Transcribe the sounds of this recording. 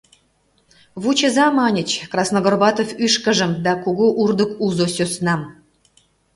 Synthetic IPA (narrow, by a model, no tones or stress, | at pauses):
βut͡ɕə̆zɑmɑnʲə̆t͡ɕkrɑsnoɡorbɑt̪ofyʃkə̆ʒə̆md̪ɑkuɣoʔurd̪ə̆kuzosʲosnɑm